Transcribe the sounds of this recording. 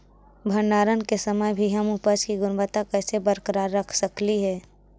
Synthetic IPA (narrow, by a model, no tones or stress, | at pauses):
bʱənːaːɾənkesəməjbʱiɦɐmupət͡ʃkiɡʊnbət̪akɛːsebəɾkəɾaːɾːəkʰsəkliɦɛː